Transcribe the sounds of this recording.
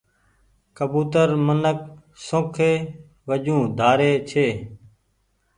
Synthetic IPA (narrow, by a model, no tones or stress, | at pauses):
kəbuːt̪əɾmənək̚ | sõːkʰeː | ʋəʄũːd̪ʱaːɾeːt͡ʃʰeː